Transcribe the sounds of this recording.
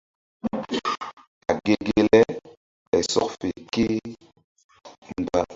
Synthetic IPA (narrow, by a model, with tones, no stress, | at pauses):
a˨ɡe˦ɡe˦lɛ˦ | ɓɛ˨sɔ̰˦kfe˨ke˦ | m̩˨ba˦